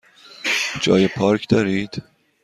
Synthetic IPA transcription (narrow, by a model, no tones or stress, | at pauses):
d͡ʒɒ̰ːjepʰɒːɾkʰd̪ɒːɾiːd̪̥